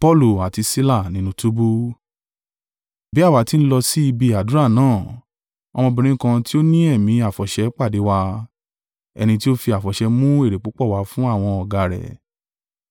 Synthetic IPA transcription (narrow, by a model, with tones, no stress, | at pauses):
pɔ˦lu˦˨a˨ti˧si˦la˦˨nĩ˨nũ˨˦tu˦bu˦ | bi˦a˦˨wa˨˦ti˦n̩˦lɔ˧si˦i˧bi˧a˨dũ˨˦ɾa˦˨nãː˦˨ | ɔ˧mɔ̃˧bĩ˧ɾ̃ĩ˦kã˧ti˦o˦nĩ˦ɛ˦˨mĩ˨˦a˨fɔ˨ʃɛ˨˦k͡pa˦˨de˨˦wa˧ | ɛ̰˧nĩ˧t̬i˦o˦fi˧a˨fɔ˨ʃɛ˧mũ˦e˦˨ɾe˨k͡po˨˦k͡pɔ˦˨wa˧fũ˦a˦˨w̃ɔ̃˧ɔ˨ɡa˨˧ɾɛ̰˨